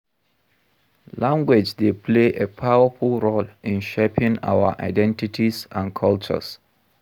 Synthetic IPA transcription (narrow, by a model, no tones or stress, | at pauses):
lãŋɡwed͡ʒdepʰleʔepʰawəfulɹolĩnʃepʰĩŋa̰wəʔa̰ɪdɛ̃ntitʰisãnkʰʌlt͡ʃə̰s